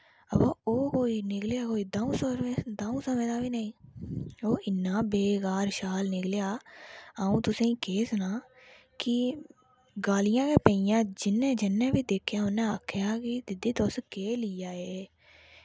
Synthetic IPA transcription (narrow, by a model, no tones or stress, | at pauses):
əbãːoːkoːiːnɪkljaːkoːiːd̪aːũːsəɾed̪aːũːsəmẽːd̪aːbiːnaĩː | oːʔɪnːãːbeːkaːɾʃaːlnɪkljaːaːũːt̪ʊsẽːĩːkeːsʊnaː | kɪ | ɡaːlɪjãːkeːpə̃ijãːd͡ʒɪnːẽːd͡ʒɪnːẽːbiːd̪eːkʰːjaːʊnːẽəkʰːjaːkɪd̪ɪd̪iːt̪oskeːliːaːeː